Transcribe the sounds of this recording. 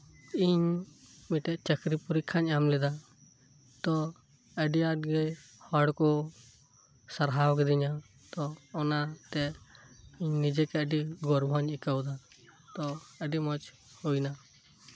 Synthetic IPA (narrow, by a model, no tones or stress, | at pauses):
iɲmiʈɛʔt͡ʃəkɾipuɾikʰaɲamlɛd̪a | t̪ɔ | əɖiaʈɡəj | hɔɽkɔ | saɾɦawkɛd̪iɲa | t̪ɔɔnat̪ɛ | iɲnid͡ʒɛkɛəɖiɡɔɾbʱaɲikəwd̪a | t̪ɔəɖimɔt͡ʃ | hujna